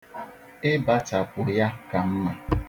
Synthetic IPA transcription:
ɪ˦ba˦ta˨kʷʊ˨ja˦ka˨m̩˦ma˨

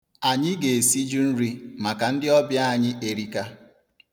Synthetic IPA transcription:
a˨ɲɪ˦ɡe˨e˨si˦d͡ʒu˦n̩˦ɾi˦ma˨ka˨n̩˦dɪ˦ɔ˦bja˦a˨ɲɪ˦ʔe˨ɾi˦ka˦

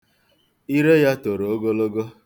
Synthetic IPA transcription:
i˦ɾe˦ja˦to˨ɾo˨o˦ɡo˦lo˦ɡo˦

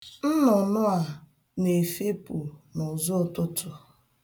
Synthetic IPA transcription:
n̩˦nʊ˨nʊ˦a˨ | ne˨fe˦pu˨nʊ˨zʊ˦˨tʊ˦tʊ˨

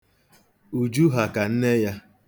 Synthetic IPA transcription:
u˨d͡ʒu˦ɦa˨ka˨n̩˦ne˦ja˦

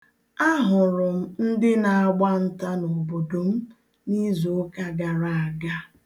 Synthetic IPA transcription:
a˦ɦʊ˨ɾʊ˨m̩˦n̩˦dɪ˦na˨a˦ɡ͡ba˦n̩˦ta˦no˨bo˨do˨m̩˦ | ni˦zo˨˦ka˦ɡa˨ɾa˨a˨ɡa˦

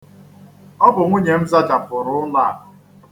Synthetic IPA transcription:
ɔ˦bʊ˨ŋʷu˦ɲe˨m̩˦za˦d͡ʒa˨pʊ˨ɾʊ˦la˦˨

